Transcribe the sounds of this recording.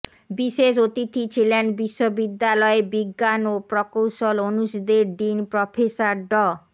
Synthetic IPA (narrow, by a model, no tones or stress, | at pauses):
biʃeʃot̪it̪ʰit͡ɕʰilenbiʃːobid̪ːalɔebiɡːanopɾɔkowʃolonuʃd̪eɾɖ̪inpɾɔpʰesaɾɖɔ